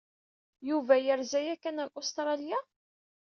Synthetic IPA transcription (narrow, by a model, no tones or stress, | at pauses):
juvæjəɾzæjækænæɾʔʊst̪ɾˤɑlja